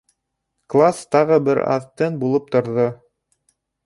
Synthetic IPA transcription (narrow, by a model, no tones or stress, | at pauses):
klˠast̪ɑʁɤbɘɾɑ̰ðt̪ɘnbulˠɤp̚t̪ŏɾðo